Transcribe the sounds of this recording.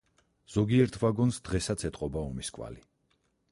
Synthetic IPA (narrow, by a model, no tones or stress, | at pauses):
z̥ɔɡiɛɾt̪ʰvaɡɔnsd̪̥ʁɛsat̪sʰɛt̪ʼqʼɔbaɔmiskʼwa̰li